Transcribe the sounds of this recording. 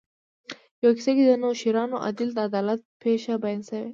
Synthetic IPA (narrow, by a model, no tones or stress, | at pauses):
jawaki̥sakid̪ənoʃiɾɑnoʔa̰d̪ɪld̪əad̪ɑlat̪̚pʰeʃabajɑnsawe